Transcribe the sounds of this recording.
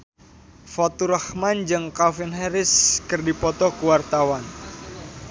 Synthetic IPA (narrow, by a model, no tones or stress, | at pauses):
fɔt̪uɾəhmand͡ʒɨŋkafɪnɦɛɾɪskɨrdipɔt̪ɔkuwart̪awan